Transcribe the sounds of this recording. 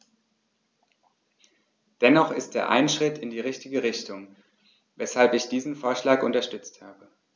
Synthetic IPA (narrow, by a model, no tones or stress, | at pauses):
d̥ɛnɔχɪst̚d̥eːɐʔa̰ɪnʃʁ̥ɪtʰɪndiːʁ̞ɪçtɪɡəʁɪçtʊŋ | vɛshalpɪçd̥iːzn̩foːɐʃlaːkʔʊntɐʃtʏt͡sthaːbə